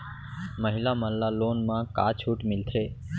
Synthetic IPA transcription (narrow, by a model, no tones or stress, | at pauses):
məɦilaməlːalonmãka̰t͡ʃʰuːʈmɪlt̪ʰɾe